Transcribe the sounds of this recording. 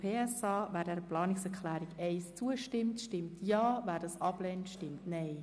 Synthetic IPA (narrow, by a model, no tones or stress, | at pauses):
pʰeːɛsɑːʋæːɾdɛːɾəplɑːnɪksɛɾklæːɾɪɡɛɪst͡suəʃtɪmtʃtɪmtʰjɑːvæːdɑsɑb̥lɛːntʃtɪmtnɛɪ